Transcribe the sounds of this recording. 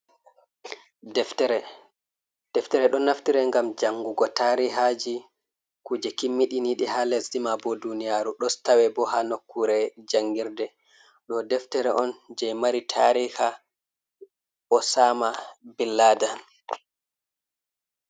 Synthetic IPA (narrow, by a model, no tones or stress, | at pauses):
dɛftɛɾɛ | d̥ɛftɛɾɛɗɔnaftiɾɛŋɡamd͡ʒaŋːɡuɡɔtaɾiɦad͡ʒi | kud͡ʒɛkimːiɗiniɗihalɛsɗimabɔdunijaːɾuɗɔstawɛbɔɦanokːuɾɛd͡ʒaŋɡiɾdɛ | ɗɔdɛftɛɾɛʔɔnd͡ʒɛjmaɾitʰaɾiha | ʔɔsaːmabilːaːda